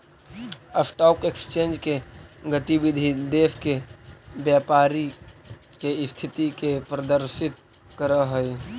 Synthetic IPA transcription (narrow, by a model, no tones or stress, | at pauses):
əsʈɔːkeksə̥t͡ʃẽːnd͡ʒkeɡət̪ibɪd̪ʱid̪eːʋkebjaːpaːɾi | keɪst̪ʰɪt̪ikepɾəd̪əɾʃɪt̪̚ | kəɾəɦəi